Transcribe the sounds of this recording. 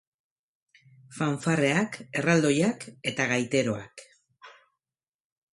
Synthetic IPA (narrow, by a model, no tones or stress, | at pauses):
faɱfare̞ake̞rald̪o̞jake̞t̪aɣajt̪e̞ɾo̞a̰k